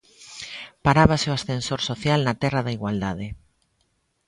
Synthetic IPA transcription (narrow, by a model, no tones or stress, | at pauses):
paɾaβaseoasθensoɾsoθjalnat̪ɛraðaiɣwald̪aðe